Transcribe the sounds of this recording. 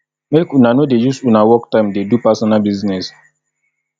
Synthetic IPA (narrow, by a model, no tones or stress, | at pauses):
mekũnanodejusunawɔktãɪ̃mdedupasɔnalbiznɛs